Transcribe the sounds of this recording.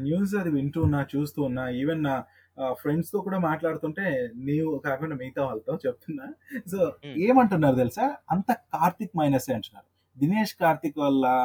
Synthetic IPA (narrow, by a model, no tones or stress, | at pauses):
njuːs̬ɐd̪iʋiɳʈuːnːaːt͡ʃuːst̪uːnːaːiːʋena | pʰɾe̞ɳɖst̪o̞ːkuːɽaːmaːʈlaːɽut̪uɳʈe̞ːneːʋukaːkɐɳɐmiːt̪aʋɐlt̪ɐmt͡ʃep̚t̪unːaːso̞ːeːmɐɳʈunːaːɾut̪̬elisaːɐnt̪ɐkaːɾt̪ik̚mɐjnɐsɐjɐɳʈunːa̰ːɾu | d̪ineːʂkaːɾt̪ikʋɐlːɐ